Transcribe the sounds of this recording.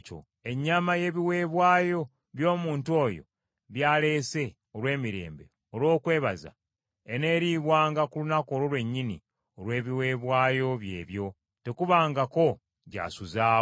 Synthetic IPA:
t͡ʃo̰ | e̞ɲːamaje̞ːβiwe̞ːβwaːjo̞ | βjo̞ːmuːntuo̞ːjo̰ | βjaːle̞ːse̞ | olwe̞ːmiɾe̞̰ːmbe̞̰ | olwo̞ːkwe̞ːβaza̰ | ene̞ːɾiːβwaːŋɡakulunako̞ːɾolwe̞ɲːinḭ | olwe̞ːβiwe̞ːβwaːjo̞βje̞̰ːβjo̞ | te̞kuβaːŋɡako̞ | ɟa̰ːsuzaː

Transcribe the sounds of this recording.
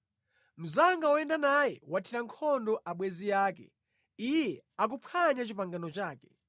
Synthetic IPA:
m̩zaŋɡawɔɛndanajɛwatʰiɾaŋkʰɔndɔʔaɓwɛzijaːkɛ̰ | ijɛak̬upʰaɲat͡ʃipaŋɡanɔt͡ʃaːkɛ

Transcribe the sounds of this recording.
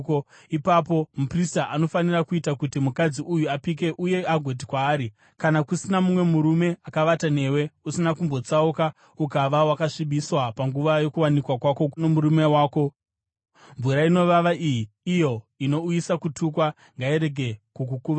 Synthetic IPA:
ipapo̞mupristaʔano̞fanirakuitakutimukad͡ziʔujuapik̬e̞ʔuje̞aɡʱo̞tikwaːɾi | kanakusinamumwe̞muɾume̞akaʋatane̞we̞usinakumbot͡sauka | ukaʋawakaʂiɓiswapaŋɡuʋajo̞kuwanikwakwakonomuɾumewaːko̞ | ɱvuɾaino̞ʋaʋaʔiji | ijo̞ | ino̞ujisakutʰukwa | ŋɡaiɾe̞ɡʱe̞kukukuːʋa

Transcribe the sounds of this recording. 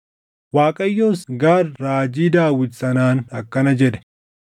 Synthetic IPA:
waːkʼɐjːoːsɡaːɾːaːd͡ʒiːd̪aːwɪdsɐnaːnɐkːɐnɐd͡ʒɛᶑɛ̥

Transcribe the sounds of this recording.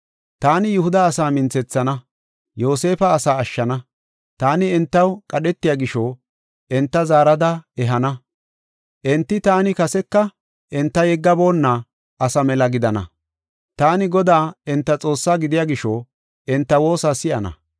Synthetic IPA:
t̪aːnɪjʊhʊd̪ɐːsaːmɪnt͡sɛt͡sːɐnɐ | jo̞ːse̞ːfɐːsaːɐʃːɐnɐ | t̪aːnɪɛnt̪ːɐwkʼɐɗɛt̪ːɪjaːɡɪʃo | ʔɛnt̪ːɐzaːɾɐd̪ɐɛɦɐnɐ | ʔɛnt̪ːɪt̪aːnɪkɐsɛkːɐ | ʔɛnt̪ːɐjɛɡːɐbo̞ːnːɐ | ʔɐsɐmɛlɐɡɪd̪ɐnɐ̰ | t̪aːnɪɡɔd̪aːɛnt̪ːɐt͡sʼo̞ːsːaːɡɪd̪ɪjaːɡɪʃoː | ɛnt̪ːɐwo̞ːsaːsɪʔɐnɐ̰

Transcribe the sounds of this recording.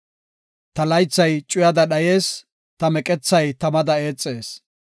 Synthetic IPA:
t̪ɐlɐjt͡sːɐjt͡ʃʼʊjɐd̪ɐɗɐje̞ːs | t̪ɐmɛkʼɛt͡sːɐjt̪ɐmɐd̪ɐe̞ːt͡sʼːe̞ːs

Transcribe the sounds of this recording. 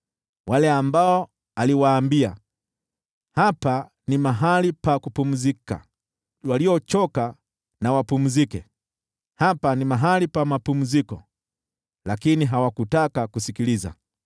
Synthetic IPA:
walɛambaɔ | aliwaːmbia | hapa | nimaɦalipakupum̩zika̰ | waliɔt͡ʃɔka | nawapum̩zikɛ | hapanimaɦalipamapum̩zikɔ | lakiniɦawakutakakusikiliza̰

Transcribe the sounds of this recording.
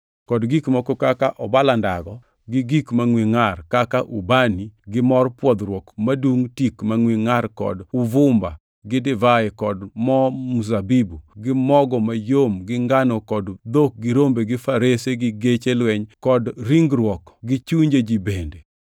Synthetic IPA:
kɔdɡikmɔkokakaʔɔbalandaɡɔ | ɡɪɡikmaŋwiŋarkakaʔubaniɡɪmɔrpwɔd̪ɾwɔkmaduŋtikmaŋwiŋarkɔ̰dʊvʊmba̰ | ɡɪdɪvaekɔdmɔmus̬abibuɡɪmɔɡɔmajomɡɪŋɡanɔkɔdd̪ok̚ɡɪɾombeɡɪfaɾeseɡɪɡet͡ʃelwɛɲkɔdɾiŋɡɾwɔkɡɪt͡ʃuɲd͡ʒed͡ʒibende

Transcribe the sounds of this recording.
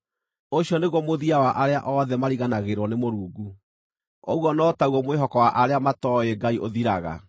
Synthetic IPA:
oɕjɔneɣwɔmoðiawaʔaɾeaʔɔðɛmaɾiɣanaɣeɾwɔnemoɾuːɡu | ɔ̰ɣwɔnɔːtauɣɔmweɦɔkɔwaʔaɾeamatɔeɡaiʔoðiɾaɣa̰

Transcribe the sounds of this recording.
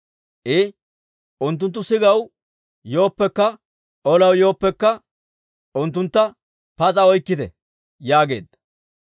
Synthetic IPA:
ʔɪ | ʔʊnt̪̬ːʊnt̪ːʊsɪɡɐw | jo̞ːpːɛkːɐ | ʔɔlɐwjo̞ːpːɛkːɐ | ʔʊnt̪̬ːʊnt̪ːɐ | pɐt͡sʼɐɔjkːɪt̪ɛ̰ | jaːɡe̞̰ːd̪ːɐ

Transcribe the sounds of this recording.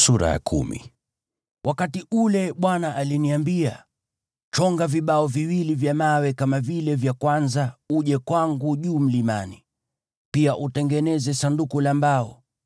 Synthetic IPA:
suɾa̰ja̰kʰṵmḭ | wʔakatiʔulɛɓwanaʔaliniambia | t͡ʃɔŋɡaviɓaɔviwilivjamawɛkamavilɛvjakwanzauʄɛkwaŋɡuʄuːm̩limani | piaʔutɛŋɡɛnɛzɛsandukulambaɔ

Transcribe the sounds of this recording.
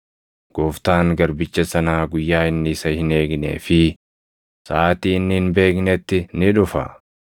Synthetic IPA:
ɡ̥oːft̪aːŋɡɐɾbɪt͡ʃːɐsɐnaːɡʊjːaːɪnːɪɪsɐhɪne̞ːɡnḛːfɪ | saːt̪iːnːɪɪnbe̞ːknɛt̪ːɪnɪᶑʊfɐ̰

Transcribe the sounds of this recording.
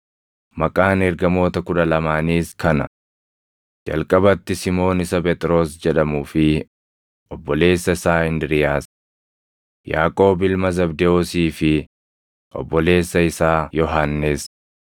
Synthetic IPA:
mɐkʼaːnɛɾɡɐmo̞ːt̪ɐkʊᶑɐlɐmaːniːskɐnɐ̰ | d͡ʒɐ̰lkʼɐbɐt̪ːɪsɪmo̞ːnɪsɐp̬ʼɛt̪ʼɪɾo̞ːsd͡ʒɛᶑɐmuːfɪ | ʔɔbːɔle̞ːsːɐɪsaːɪnd̪ɪɾɪjaːs | ja̰ːkʼo̞ːbɪlmɐzɐbd̪ɛosiːfɪ | ʔɔ̰bːɔle̞ːsːɐɪsaːjɔɦanːɪs

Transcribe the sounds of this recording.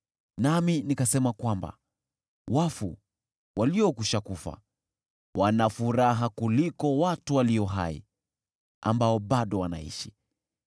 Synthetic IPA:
naminikasɛmakwamba̰ | wafṵ | waliɔkuʃakufa̰ | wʔanafuɾaɦakulikɔwatuwaliɔɦa̰ḭ | a̰mbaɔɓaɗɔwana̰ḭʃi̥

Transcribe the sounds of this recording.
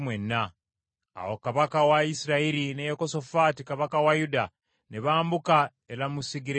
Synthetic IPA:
mwenːa̰ː | wo̞kaβakawaisiɾaiɾinejokoso̞fatikaβakawajuda | neβaːmbuka | e̞ɾamusiɡiɾe

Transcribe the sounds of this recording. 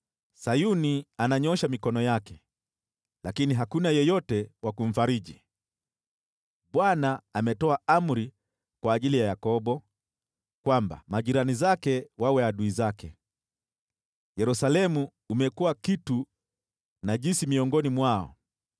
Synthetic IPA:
sajunianaɲɔʃamikɔnɔjakɛ | lakiniɦakunajɛjɔtɛwakum̩faɾiʄi | ɓwanaamɛtɔaam̩ɾi | kwaːʄilijajakɔɓɔ | kwamba̰maʄiɾanizakɛwawɛaɗuizakɛ | jɛɾusalɛmuː | mɛkuwakitu | naʄinsimiɔŋɡɔnimwaɔ̰

